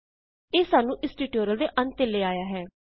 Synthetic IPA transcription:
eːsaːnũːʔɪsʈiːʈoːɾəld̪eːʔənt̪eleːaːjaːɦɛː

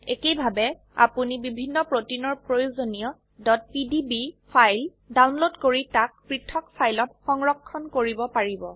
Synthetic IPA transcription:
ekejbʱabɛ | a̰punibibʱinːɔpɹotinːɔɹpɹojozonijɔ | dɔt̚pidibipʰajl | dawnlodkoɹitak̚pɹitʰɔkpʰajlɔtxɔŋɹɔkʰːɔnkoɹibɔpaɹibɔ

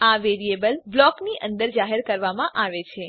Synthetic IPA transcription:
aʋeɾiebəlblɔkniʔə̃nd̪əɾd͡ʒaɦeɾkəɾʋamãʔaʋet͡ʃʰe

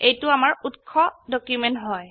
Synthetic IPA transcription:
ejtʊamaɹutkʰːɔdɔkjumɛntɦɔj

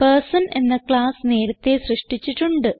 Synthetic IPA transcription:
peːsɐne̞̰nːɐkɭaːsne̞ːɾɐt̪ːe̞srɨʂʈit͡ɕːiʈːuɳɖɨ

